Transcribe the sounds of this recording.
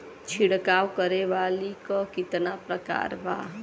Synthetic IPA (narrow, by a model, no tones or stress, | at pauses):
t͡ʃʰiɽkawkəɾebalikɔkit̪napɾəka̰ɾba̰